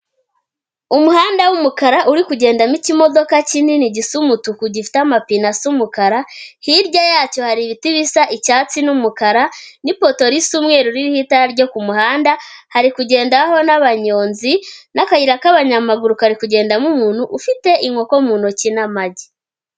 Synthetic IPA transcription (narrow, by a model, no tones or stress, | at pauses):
umuhaːndawumukaɾaʔuɾikuɟe̞ːndamicimo̞do̞kacininiɟisumutukuɟifi̥tamapinasumukaɾahiɾɟajaːco̞haɾiβitiβisaʔicaːt͡sinumukaɾanipo̞to̞ɾisumŋe̞ːɾuɾiɾihitaɾɟo̞kumuhaːndahaɾikuɟe̞ːndaho̞naβaɲo̞ːnzinakaiɾakaβaɲamaɡuɾukaɾikuɟe̞ːndamumuːn̥huʔːfite̞ʔiŋwo̞komuːnucinamaɟi